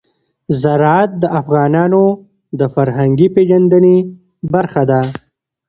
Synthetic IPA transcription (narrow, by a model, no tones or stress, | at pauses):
zaɾɑat̪̚d̪əʔafɣɑːnɑːno | d̪əfaɾɦaŋɡipeʒand̪əne | baɾxad̪a